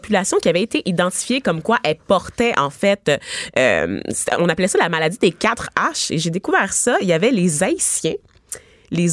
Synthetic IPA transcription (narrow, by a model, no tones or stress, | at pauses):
pylasjɔ̃kʲiavɛet̪eʔid̪ɑ̃t̪i̥fjekɔmkwaʔɛlpɔʁt̪ɛʔɑ̰̃fɛt̪øø̰mse̥t̪ɛɔ̃naplɛsalamalad̪id̪ekʲat̪χaʃḛʒed̪ekuvɛːʁsʌijavɛlezaisjɛ̃ | lez